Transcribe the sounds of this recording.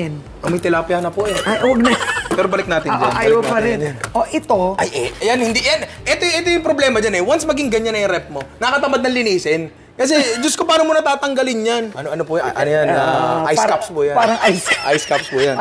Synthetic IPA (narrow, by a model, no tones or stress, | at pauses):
ɛn | ʔɐŋmɐjt̪ɪlapjaːnɐpʊjanwɐɡ̚nɐpɛːɾobɐlɪk̚naːt̪ɪnd͡ʒanapɐɾɪʔoʔɛt̪oʔɐjʔɐjanhɪnd̪iʔjanʔɛt̪oʔɛːt̪ojʊŋpɾoblɛːmɐd͡ʒanɛwansmɐɡɪŋɡɐɲanɐjʊɾɛp̚mo̞nɐkɐt̪ɐmad̪̚nɐŋlɪniːsɪn | kɐs̬ɛd͡ʒʊskopaːnomonɐt̪aːt̪ɐŋɡɐlɪnjanʔɐnoɐnopʊjʔɐ̰nojanaʔajkapspʊjanaɾɐŋasʔajskapspʊjan